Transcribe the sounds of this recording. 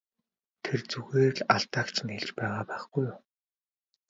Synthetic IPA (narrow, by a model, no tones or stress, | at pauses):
t̪ʰert͡suɣeːrɮaɬt̪aːkt͡ɕʰɪ̆nxeɮt͡ɕpæːʁaːpæːχɡ̥ujʊm